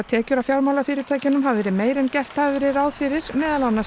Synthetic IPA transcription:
at̪ʰɛːcʏɾafjawɾmawlafɪːɾɪɾt̪ʰaːjcʏnʏmɦavvɛːɾɪmeːjɾɛncɛr̥t̪havɛɾɪɾaːwðfɪɾɪɾ̥mɛːðalanːa

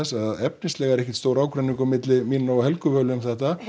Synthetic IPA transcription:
ɛsaððɛp̚nɪst̪lɛːɣaɛɾɛhcɪ̥t̪st̪oːwɾaːwkɾɛniŋkʏmɪt̪lɪmiːnnowaɦhɛlkʏvœːlɪʏmθɛht̪a

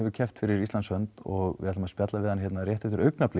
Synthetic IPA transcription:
ɛvʏɾcʰɛft̪fɪɾɪɾist̪ansœnt̪ɔɣɪ̰ðɛat̪ːmaspjat̪lavɪðanɪçjɛt̪naɾjɛht̪ɪft̪ɪɾœɥknaplɪ

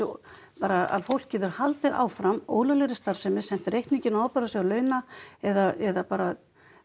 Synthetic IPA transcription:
paːɾaa̰ðfowl̥kcːɛːðʏɾ̥halt̪ɪða̰ːwfɾamo̰ːwlaleɾɪst̪aɾ̥sɛmɪsɛnt̪ɾejhk̪niŋcɪnaawpɛɾasɛalœːɥnaɛðaɛðapaːɾa

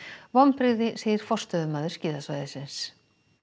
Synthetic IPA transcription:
vɔmpɾɪɣðɪseːjɪɾ̥fɔr̥st̪œðʏmaːðʏɾ̥scɪːðasvajðɪsɪns

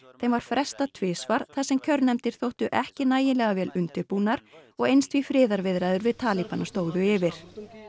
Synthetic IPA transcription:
θejmvaɾ̥fɾɛst̪at̪ʰvɪːsvaɾ̥θasɛmcʰœɾnnɛmt̪ɪɾ̥θowht̪ʏʔɛhcɪnaːjɪnlɛɣavɛːlʏnt̪ɪpunaɾ̥ɔɣejnst̪vifɾɪːðaɾvɪðɾaːjðʏɾvɪðt̪ʰaːlipanast̪oːwðʏɪːvɪɾ̥

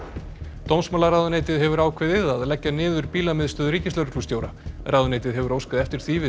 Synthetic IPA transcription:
t̪owmsmaːlaraːðʏneːjt̪ɪðɦɛvʏɾaːwkʰveðɪðaðlɛcːanɪːðʏɾpiːlamɪðst̪œːðʏɾriːcɪsœɾʏ̥k̪ʰust̪joːwɾaɾraðʏnejt̪ɪðɦɛvʏɾoːwskaðɛft̪ɪɾ̥θiːvɪ

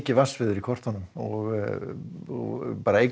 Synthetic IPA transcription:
cɪvasvɪðʏɾikʰvɔr̥t̪hanːʏmɔɣ | ɔɣpaːɾaej

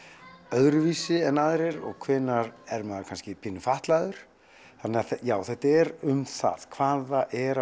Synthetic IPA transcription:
œðɾʏviːsɪɛnaðɾɛɾɔ̰ɣkʰvɪːnːaɾɛɾmaːðkʰanscɪpʰiːnʏfaht̪laðʏɾ̥ | θanːɛaθjaːwθɛht̪aɛɾʏmθa̰ð̥kʰv̥aːðaʔɛɾa

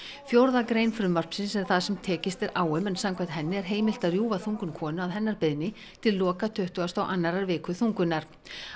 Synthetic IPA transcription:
fjowɾðakɾejnfɾʏmvar̥psɪnsɛɾ̥θaðsɛmt̪ʰɛːcɪst̪ɛɾʔaːwʏmɛnsamkʰaht̪ɦɛnːɪɛɾ̥ɦeːjmɪl̥t̪aðrjuːvaθuŋkʏmkʰɔːnʏaðɦɛnːaɾpɪðnɪ | t̪ʰɪlːɔːkat̪ʰʏht̪ʏɣast̪awʔanːaɾaɾvɪːkʏθuŋkʏnaɾ̥

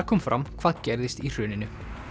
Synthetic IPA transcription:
kʰɔːmfɾʔa̰mkʰv̥aːðcɛɾðɪst̪ir̥ʏːnɪnʏ

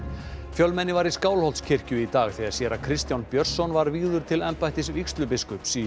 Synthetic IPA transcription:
fjœlmɛnːɪvaɾiskaːwlhɔlt̪scʰɪr̥cʏit̪aːɣθɛaɾ̥sjɛɾakʰɾɪst̪jawnpjœr̥sɔnvaɾviːðʏɾ̥t̪ʰɪlɛmpajt̪ɪsvikst̪lʏpɪskʏpsi

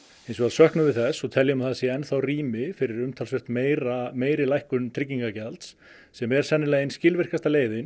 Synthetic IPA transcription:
ejnsɔaðsœhknʏvɪðθɛsːɔt̪ʰɛljʏmaθɛsɪɛnθawriːmɪfɪɾɪɾʏmt̪ʰalsʏht̪meɾameːjɾɪlajhkʏnt̪ʰɾɪcːiŋkacɛlt̪sː | ɛmɛɾ̥sɛnːɪlajɪnscɪlvɪr̥kast̪aleːjðɪn

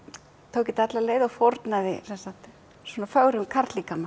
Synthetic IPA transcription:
t̪ʰoːwcɪnt̪at̪laleːjðaɣfoɾt̪naðɪ̰sɛnsat̪ | swɔnafœɣɾʏmkʰaɾ̥t̪likama

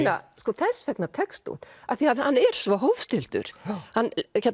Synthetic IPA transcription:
na̰skɔθɛsvɛknat̪ʰɛkst̪ṵnaθiaðhanːɛɾ̥svɔɦowvst̪ɪl̥t̪ʏ̰ɾ̥hanːçɛt̪

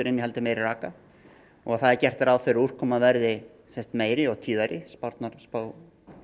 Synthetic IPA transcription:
t̪ʏɾɪnjɦɛlt̪ɪmeːjɾɪraːka | ɔɣaθaðɛɾcɛr̥t̪ɛɾawferur̥kʰɔmaðvɛɾðɪ | sɛnst̪meːjɾɪɔɣt̪ʰiːðaɾɪspaɾt̪naɾspaːw

